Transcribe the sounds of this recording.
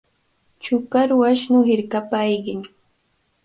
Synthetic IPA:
t͡ʃʊkaɾwaʃnʊhɪɾkapajɢɪŋ

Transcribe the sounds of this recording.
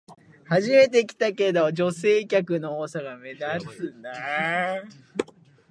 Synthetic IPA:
haʑime̞t̪̬e̞kʲi̥t̪ake̞d̪o̞d͡ʑo̞se̞ːkʲakɯ̟no̞oːsaɡame̞d̪asɨna

